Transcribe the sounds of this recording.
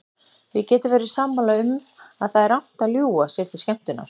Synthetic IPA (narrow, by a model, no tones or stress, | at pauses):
vɪðcɛːt̪ɪɾvɛːɾɪ̥sampalaʏmaðθaðɛɾan̥t̪aljuːasjɛɾ̥θɪscɛm̥t̪ʏnːa̰ɾ̥